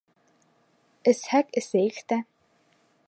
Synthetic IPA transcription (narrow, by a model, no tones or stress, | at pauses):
ɘ̆shækɘseːjkt̪æ